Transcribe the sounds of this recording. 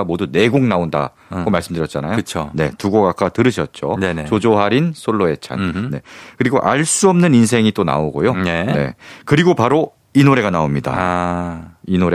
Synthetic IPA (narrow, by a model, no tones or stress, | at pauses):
amodune̞ɡoŋnaonda̰ | ɡomaɭs͈ɯmdɯɾjʌt̚t͡ɕ͈anajoɯt͡ɕʰone̞̰tuɡoɡak͈ʰatɯɾɯɕʰʌt̚t͡ɕ͈onet͡ɕod͡ʑoɦaɾinsʰoɭːoe̞t͡ɕʰa̰nne̞kɯɾiɡoʔaɭs͈uʌmnɯninsʰe̞ŋit͈ona̰oɡojonene̞̰kɯɾiɡopaɾo | inoɾe̞ɡanaomɲida̰ | inoɾe